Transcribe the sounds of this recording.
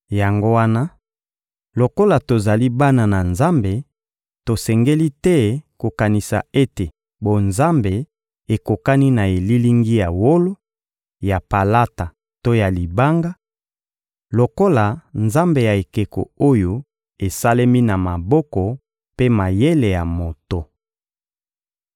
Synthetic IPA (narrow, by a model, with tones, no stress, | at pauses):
ja˨ŋɡo˦wa˦na˦ | lo˨ko˦la˨to˨za˨li˦ba˦na˨na˨nza˦mbe˨ | to˨sɛ˨ŋɡe˦li˦tɛ˦ko˨ka˨ni˨sa̰˨e˦te˨ | bo˨nza˦mbe˨ | e˨ko˨ka˦ni˦na˨e˨li˦li˦ŋɡi˦ja˨wo˦lo˦ | ja˨pa˨la˦ta˨ | to˦ja˨li˨ba˦ŋɡa˦ | lo˨ko˦la˨nza˦mbe˨ja˨e˨ke˨ko̰˨o˦jo˦ | e˨sa˦le˦mi˦na˨ma˨bɔ˦kɔ˨ | pe˦ma˨je˦le˨ja˨mo˨to˨